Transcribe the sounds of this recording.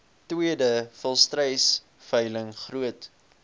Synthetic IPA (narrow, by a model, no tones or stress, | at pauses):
twiədəfəlˠstrɛjs | fœjləŋχruət